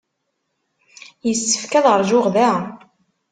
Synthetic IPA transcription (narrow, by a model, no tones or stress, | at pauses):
jəsːə̥fkæðʁəɾˤʒʊʁðæ